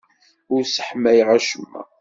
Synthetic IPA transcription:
ʊɾsə̥ħmæjʁæʃəmːæ̰

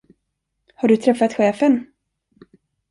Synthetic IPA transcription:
haɖɵt̪ʰɾɛfːat̪ɧeːfən

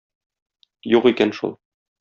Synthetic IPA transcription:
juqikænʃṵlˠ

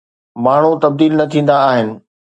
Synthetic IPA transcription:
maːɳ̤ut̪ɐb̚d̪iːlnɐt̪ʰĩːn̆d̪aːɦɪnɪ̆

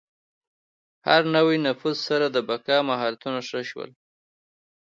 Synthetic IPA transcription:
haɾnawinafuzsaɾad̪əbakɑmaɦɑɾat̪unaʂəʃwə̰l

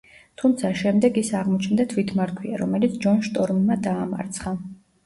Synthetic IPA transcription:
t̪ʰumt̪sʰaʃɛmd̪ɛɡisaʁmɔt͡ʃʰnd̪at̪ʰwit̪ʰmaɾt̪ʰwiaɾɔmɛlit̪sʰd͡ʒɔnʃt̪ʼɔɾmːad̪aːma̰ɾt̪sʰχa

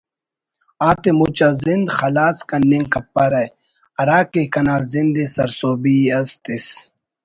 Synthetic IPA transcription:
aːt̪emut͡ɕazind̪xɐlaːskɐnːiŋkɐpːɐɾɐj | ɐɾaːkekɐnaːzind̪esɐ̰ɾsoːbiɐst̪is

